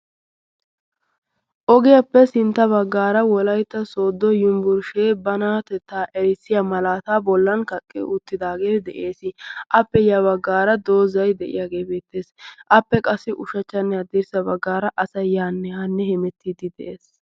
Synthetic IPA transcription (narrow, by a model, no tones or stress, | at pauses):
ʔɔɡɪjɐpːɛsɪnt̪ːɐβɐɡːaːɾɐwɔlɐjt̪ːɐso̞ːd̪ːɔjʊmbʊɾʃeːbɐnaːt̪ɛt̪ːaːʔɛɾɪsːɪjɐmɐlaːt̪aːbɔlːɐnkɐkʼːɛ̰ʔʊt̪ːɪd̪aːɡe̞ːd̪ɛ̰ʔe̞ːsɪʔɐpːɛjɐβɐɡːaːɾɐd̪oːzɐjd̪ɛʔɪ̰jaːɡe̞ːbeːt̪ːe̞ːsʔɐpːɛkʼɐsːɪʔʊʃɐt͡ʃːɐnːɛɐd̪ɪɾsɐbɐɡːaːɾɐʔɐsɐjːaːnːɛhɐnːɛhɛmɛt̪ʰːid̪ɪd̪ɛ̰ʔeːs